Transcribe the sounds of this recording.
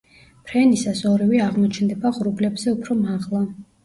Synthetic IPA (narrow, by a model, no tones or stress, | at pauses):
pʰɾɛnisasɔɾivɛaʁmɔt͡ʃʰnd̪ɛbaʁɾublɛbz̥ɛupʰɾɔmaʁlˠa